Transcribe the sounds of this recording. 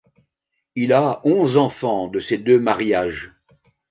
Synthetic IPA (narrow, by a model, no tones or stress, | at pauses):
ilaɔ̃zɑ̃fɑ̃d̪əsed̪ømaʁjaːʒ